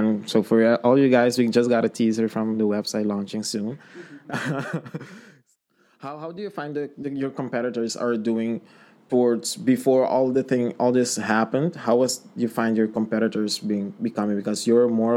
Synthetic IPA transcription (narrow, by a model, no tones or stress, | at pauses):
nsoʊfə˞ʔɔlˠjɨɡaɪzwid͡ʒʌsɡ̥ɑɾɨtʰizə˞fɹʌ̃mðəwɛb̥saɪtlɔ̃nt͡ʃɪ̃ŋsũn | haʊɦaʊdɨjɨfãɪ̃nɨðɨjɔ˞kɔ̃mpɛɾɨɾə˞zə̰˞duɪ̃ŋ | təwɔɹdz̥bɨfɔɹɔ̰lˠðɨθɪ̃ŋɔlˠðɪshæpə̃ndhaʊwʌzjɨfãɪ̃ndjɔ˞kɔ̃mpɛɾɨɾə˞zbiɪ̃ŋbɨkʌ̃mɪ̃ŋbɪkɔzjəə˞mɔɹ